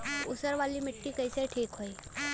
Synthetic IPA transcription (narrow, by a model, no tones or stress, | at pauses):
usəɾʋaliːmiʈːiːkəjseʈʰiːkɦoj